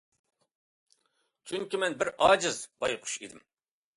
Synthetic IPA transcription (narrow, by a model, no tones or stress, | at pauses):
t͡ʃʰyŋkʲimɛnbɪɾɑːd͡ʒɪzb̥ɑjqʰʊ̥ʃid̪ɪm